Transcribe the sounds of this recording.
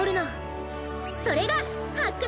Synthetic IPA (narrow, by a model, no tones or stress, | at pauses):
oɾina | sʰʌɾeɡa | pʰak͈ɯ